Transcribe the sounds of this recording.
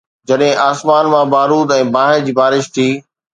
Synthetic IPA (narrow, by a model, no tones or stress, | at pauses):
d͡ʑɐɗɦɪ̃ʔaːsmaːnmãbaːɾuːd̪ɛ̃ːbaːɦɪɾd͡ʑiːbaːɾɪʃt̪ʰiː